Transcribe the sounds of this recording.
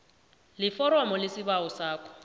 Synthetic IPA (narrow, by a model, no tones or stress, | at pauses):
lɪfɔɾwamɔlɪsɪbaɔsaːkʰʼɔ̥